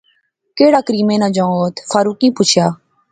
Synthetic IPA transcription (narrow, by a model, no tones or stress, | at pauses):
keːɽaːkəɾiːmẽːnãːd͡ʒãːõot̪fʰaːɾuːkĩːpʊt͡ʃʰjaː